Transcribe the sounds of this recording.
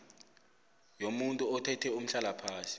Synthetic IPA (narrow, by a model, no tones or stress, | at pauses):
jomuntʼuɔtʰɛtʰɛum̩ɬalapʰaːsi̥